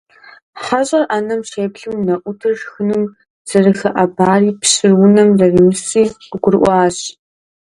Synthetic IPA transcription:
ħaɕʼɐrʔaːnɐmʃeːpɬɨmnɐʔʷʊtʰɨrʒxɨnɨm | sɐrɨxɐʔɐbaːriːpɕɪrwʊnɐmrɐrimɨsiːqəɡʷʊrʔʷɑːɕ

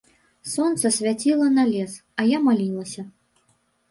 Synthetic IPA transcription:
sɔnt̪sɐsʲvʲat͡sʲilˠɐnalʲɛs | ɐjamalʲilˠɐsʲɐ

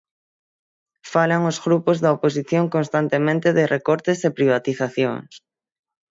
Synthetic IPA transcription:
falaŋozɣɾupozðɐopos̬iθjoŋkõnst̪ant̪emẽnt̪ɪðɪrʔekɔɾt̪ɪsepɾiβ̞at̪iθaθjo̰ŋs

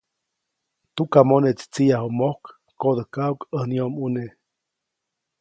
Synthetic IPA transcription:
t̪ukamonet͡st͡sijaɦomohkː | od̪əhkaukəhniomune

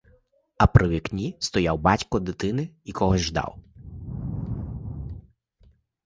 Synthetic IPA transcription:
ɐpɾʔɪwʲiknʲist̪ɔjawbɑtʲkɔd̪ɪt̪ɪnɪikɔɦɔzʲʒd̪ɑ̰w

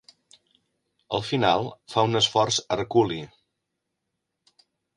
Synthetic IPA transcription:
ə̰lˠfinalˠfaunəsfɔrzərkuli

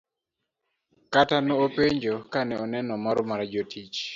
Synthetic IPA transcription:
katanɔopeɲd͡ʒokanɛɔnɛnɔmaɾɔmaɾad͡ʒotʰit͡ʃ

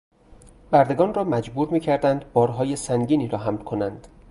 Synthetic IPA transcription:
bæɾd̪e̞ɡɒːnrɒːmæd͡ʒbuːɾmiːcʰæɾd̪ænd̪bɒːɾɦɒːje̞sæŋɟiːniːɾɒːɦæmlkʰo̞nænd̪̥

